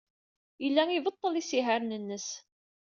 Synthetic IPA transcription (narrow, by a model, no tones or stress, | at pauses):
jəlːæŋivət̪ˤːəlisiɦæɾnənːəs